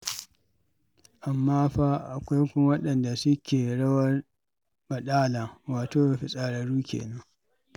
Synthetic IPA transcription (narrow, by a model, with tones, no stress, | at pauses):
ʔa˨mːaː˦ɸa˦ʔa̰˨kʷa˦jkʷʊ˦m˦wɐ˦ɗɐ˨nda˨sʊ˦kʲeː˨ɽɐ˦wɐ˦r | mɐ˨ɗaː˦laː˨waː˨toː˦a˨ɸi˨sʼaː˨ɽɐ˨ɽuː˦kʲḛː˨nɐ˦ŋ